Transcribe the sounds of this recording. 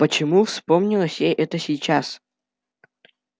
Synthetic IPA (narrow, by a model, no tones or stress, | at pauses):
pət͡ɕɪmufspomnʲɪlˠəsʲjejʔɛt̪əsʲijt͡ɕas